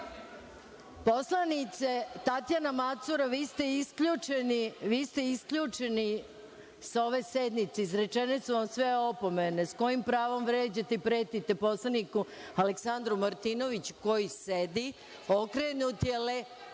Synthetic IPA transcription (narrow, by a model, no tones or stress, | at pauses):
po̞slanit̪se̞t̪at̪janamat̪suɾaʋist̪eiskʎuːt͡ʃeniʋiːst̪e̞iskʎut͡ʃe̞ni | sao̞ʋe̞se̞d̪nit̪seizɾe̞t͡ʃe̞nesuʋamsʋeo̞po̞me̞nesko̞jimpɾaːʋo̞mʋɾe̞ːd͡ʑat̪eipɾe̞ːt̪it̪e̞po̞slˠaniku | aleksand̪ɾumaɾt̪ino̞ʋit͡ɕu̥ko̞jised̪i | o̞kɾenut̪jele